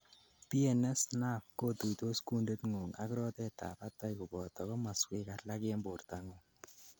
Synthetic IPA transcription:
pi˦ɛ˨nɛ˦sna˦fko˦tu˨jto˦sku˦nde˦tŋu˨ŋa̰˨kɾɔ˦tɛ˦ta̰˨pa˦ta˦jku˨bɔ˨tɔ˨kɔ˦ma˨skwi˦ka˨rla˦kɛmbʊ˨rta˨ŋu˨ŋ

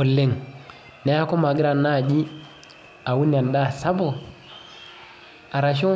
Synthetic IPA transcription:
o˨lːe˦ŋ | na˨˦ja˦kɔ˦ma˨ɡi˦ɾa˦nːa˦˨ʄi˦ | a˨wu˦n˦a˨nɗa˦˨sa˦bo˨ | a˨ɾa˨ʃ̬ɔ˦

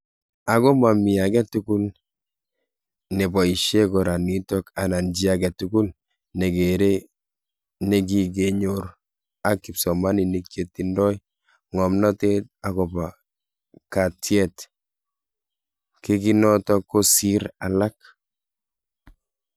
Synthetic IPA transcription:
a˨kɔ˦ma˨mi˨a˨ɡɛ˦tu˦ku˦l | ne˨bɔ˨i˨ʃe˦kɔ˨ɾa˨ni˦tɔ˦ka˨na˨nd͡ʒi˦a˨ɡɛ˨tu˦ku˦l | ne˨ɡe˨ɾe˦ | ne˨ɡ̬i˨ɡ̬eɲoɾ | a˦kːi˨psɔ˨ma˦ni˨ni˦ke˦tːi˨ndɔ˦j | ŋɔ˨mnɔ˦te˦t̚a˨ko˨ba˨ | ka˨tjɛt | ki˦ki˦nɔ˦tɔ˦kːo˦si˦ɾa˨la˦k̚

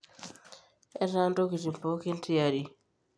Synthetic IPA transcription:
e˦ta˦ndo˦ki˨si˨mpo˦ki˦nti˦a˨ɾi˨

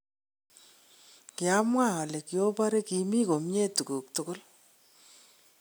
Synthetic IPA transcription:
kɪ˨a˨˦mwa˦˨ɔ˨le˨kjo˦pa˦ɾe˦ki˨mi˦ko˨m˦e˦tu˨ku˨k̚tʊ˦ko˦l

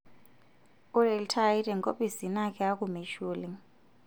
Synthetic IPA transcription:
u˦ɾɛ˨ltʰa˦i˦dɛ˨ŋkʼo˦ɓi˨si˨na˦kʰʼɛ˦a˦k̬ʼu˨me˨ʃuː˦li˨

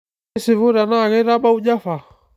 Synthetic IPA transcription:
si˨βu˦ɾa˨naː˦˨ɣɛ˦ɾa˦ɓa˦u˦d͡ʒa˦fa˨

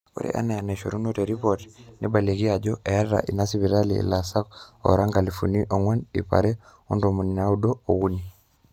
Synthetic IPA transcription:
o̰˦ɾḭ˦ʔa̰˦na˨a˨nɛ˨ʃo̰˨ɾu˦noteɾi˦pɔtni˦ba˨le˨ɡi˦ad͡ʒɔ˦ʔe˨a˦ɾːa̰˨ʔi˨na˦si˦βiɾa˦lḭ˨lasa˦k̚ɔ̰˨ɾa˦ŋɡa˨li˨funiʔo˨ŋwa˦nḭ˨pa̰˨ɾɛ | u˦ndomuni˨na˦udoː˨wu˦ni

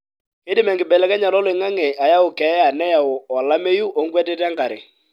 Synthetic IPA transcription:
kɪ˦dɪ˦mɛ˨ŋɡɪ˨bɛ˨lɛ˦kɛ˦ɲa˨lɔ˦lɪ˨ŋa˦ŋɛ˨ʔa˨ja˦ʊ˨kɛ˨˦a˨nɛ˦ja˨ʊ˨ɔ˨la˦me˦ju˦ʔo˦ŋɡwɛ˦tɪ˦tɛ˦ŋka˨ɾɪ̰˨

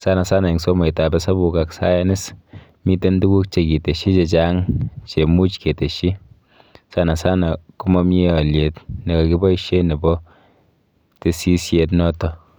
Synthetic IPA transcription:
sa˦na˨sa˦na˨i˨ŋso˦ma˨i˨ta˨bɛ˨sa˦bu˨ka˨ksa̰˦ja˦ni˦s | mi˦te˦ntu˦ɡu˦k̚t͡ʃe˨ki˨te˨ʃi˦t͡ʃe˨t͡ʃa˦ŋt͡ʃe˨mu˦t͡ʃke˨te˨ʃi˦ | sa˦na˨sa˦na˨ku˦mɔ˦mi˦ɔ˨lje˨tne˨ka˨ki˦bɔ˦i˦ʃe˦ni˨bɔ˦ | te˦si˦sje˨tnɔ˦tɔ˦˨

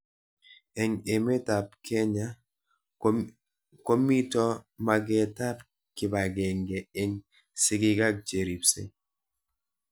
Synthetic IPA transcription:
e˨ŋe˨me˦ta˨p̚kʰɛ˦ɲa˦ | ko˦mi˦tɔ˦ma˦ɡɛ˦ta˦p̚ | kɪ˦ba˨ɡɛ˨ŋɡɛ˨e˦ɲ | sɪ˦ɡɪ˦ɡa˦k̚t͡ʃe˨ɾi˨psḛ˦

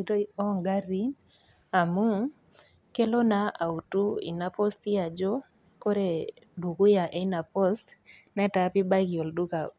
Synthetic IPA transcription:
i˦to˦i˦ɔ˦ŋɡa˦ɾi˨˦ | a˨mu˦ | ke˦lo˦na˦a˨u˨tu˦ḭ˨na˨pɔ˦sti˦a˨d͡ʒɔ˦ | ko˦ɾe˨du˨kʊ˦ja˨ʔe˦na˨pɔ˦stnɛ˦ta˦pi˦ba˦ɡɪ˨o˨ldu˦ka˨

